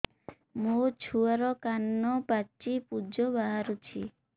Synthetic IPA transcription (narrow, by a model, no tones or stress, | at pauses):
mut͡ʃʰuaɾɔkanːɔpat͡ʃipud͡ʒɔbaɦaɾut͡ʃʰi